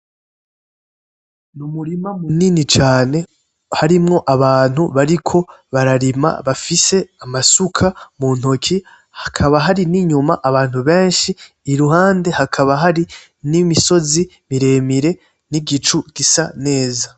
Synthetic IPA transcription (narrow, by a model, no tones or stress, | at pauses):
numuɾimamuninit͡ʃaːne̞ | haɾimŋo̞ʔaβaːn̥huβaɾikʰo̞βaɾaɾima̰βafise̞amasukʰamun̥ho̞kʰi | hakʰaβaɦaɾiniɲumaʔaβaːn̥huβe̞ːnʃiː | ɾuɦaːnde̞hakʰaβaɦaɾi | nimiso̞zi | miɾe̞miɾe̞ | niɡit͡ʃuɡ̥isane̞ːza